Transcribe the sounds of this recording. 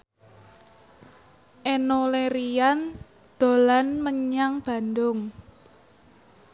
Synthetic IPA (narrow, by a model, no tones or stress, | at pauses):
ʔenoleɾijan | d̪̥o̤lanməɲaŋb̥a̤nd̪ʊŋ